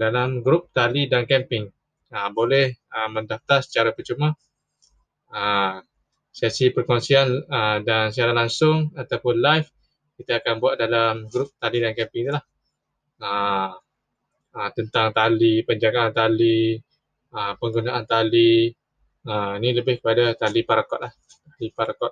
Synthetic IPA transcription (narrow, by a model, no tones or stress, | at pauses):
dalamɡɾʊp̚t̪alidankɛmpɪŋ | əbolɛhəməndaft̪asə̥t͡ʃaɾapət͡ʃumã | əm | sɛsipərkonsianədans̬iaɾalaŋsʊŋat̪awpʊnlajf | kit̪aːkanbuat̪̚dalamɡɾup̚t̪alidankɛpɪŋit̪ulah | ə | ət̪ənt̪aŋt̪alipəɲd͡ʒaɡaːnt̪ali | əmpəŋɡunaʔant̪ali | əminiləbɪhkəpadat̪alipaɾakɔt̪̚lah | alipaɾakɔt̪̚